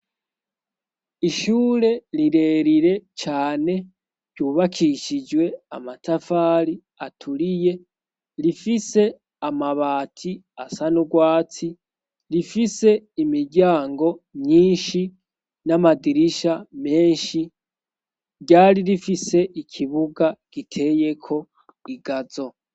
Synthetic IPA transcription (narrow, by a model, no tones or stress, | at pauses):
iʃuːɾe̞ɾiɾe̞ːɾiɾe̞t͡ʃaːne̞ | ɾɟjuːβakiʃid͡ʒwe̞a̰matafaːɾi | atʰuɾije̞ | ɾifise̞ | amaβaːtʰi | asanuɡwaːt͡si | ɾifise̞imiɟaːŋɡo̞mɲiːnʃi | namadiɾiʃame̞ːnʃi | ɡɟaːɾiɾifise̞ʔikʰiβuɡakitʰe̞je̞kʰo̞ | iɡazo̞